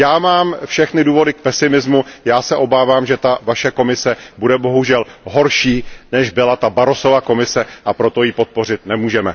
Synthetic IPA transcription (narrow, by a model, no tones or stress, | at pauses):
jaːmaːmfʃɛxnɪduːvo̞dɪk̚pɛsɪmɪzmujaːsɛʔo̞baːvaːmʒɛt̪avaʃɛko̞mɪsɛbudɛbo̞ɦuʒɛlɦo̞ɾʃiːnɛʒbɪlat̪abaɾo̞so̞vako̞mɪsɛʔapɾo̞t̪o̞jipo̞t̪̚po̞r̝ɪt̪̚nɛmuːʒɛmɛ